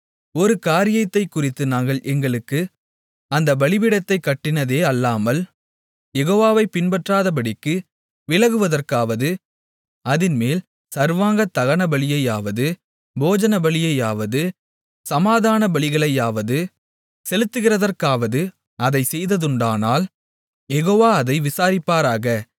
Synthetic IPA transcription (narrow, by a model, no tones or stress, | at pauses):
ɔɾɯkaːɾɪjɐt̪ːɐɪkːʊrɪt̪ːɯnaːŋɡɐɭʔɛŋɡɐɭɯkːɯ | ɐnd̪ɐbɐɭɪʋɪɽɐt̪ːɐɪkːɐʈːɪnɐðeːɐlːaːmɐl | jɛɣoːʋaːʋɐɪpɪnbɐʈraːðɐp̬ɐɽɪkːɯ | ʋɪlɐɣɯʋɐðɐrkaːʋɐðɯ | ɐðɪnmeːl | sɐɾʋaːŋɡɐt̪ːɐɣɐnɐbɐɭɪjɐjaːʋɐðɯ | boːd͡ʒɐnɐbɐɭɪjɐɪjaːʋɐðɯ | sɐmaːðaːnɐbɐɭɪɣɐɭɐɪjaːʋɐðɯ | sɛlɯt̪ːɯɣɪrɐðɐrkaːʋɐðɯ | ɐðɐɪsɛjðɐðɯɳɖaːnaːl | jɛɣoːʋaːɐðɐɪʋɪsaːɾɪpːaːɾaːɣɐ